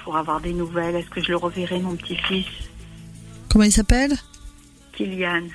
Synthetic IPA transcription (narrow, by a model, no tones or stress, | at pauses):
pʰuʁavwaʁd̪enuvɛlɛskəʒələʁəvɛʁemɔ̃pət̪ʰifis | kɔmɑ̃ilsapɛl | kʰʲiljan